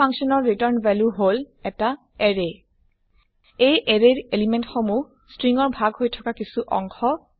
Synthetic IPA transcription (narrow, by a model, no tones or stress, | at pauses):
aŋsɔnɔɹːitɔɹnvɛljuɦol | ɛta | eɹe | ejʔeɹeɹelimɛntxomu | stɹiŋɔɹbʱaɡɦojtʰɔ̥kakisuʔɔ̰ŋkʰɔ